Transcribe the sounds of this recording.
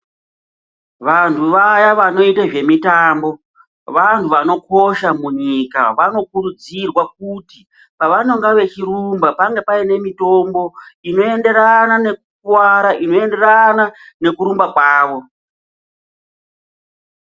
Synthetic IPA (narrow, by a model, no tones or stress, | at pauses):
ʋantʰuʋajaʋano̞itaʐe̞mitaːmbo̞ | ʋantʰuʋano̞ko̞ʃamuɲika̰ʋano̞kuɾud͡zirwak̚uti | paʋano̞ŋɡaʋe̞t͡ʃiɾumbapaŋɡe̞paine̞mitombo̞ino̞e̞nde̞ɾanane̞kukwaɾaʔino̞e̞nde̞ranane̞kuɾumbakwaːʋo̞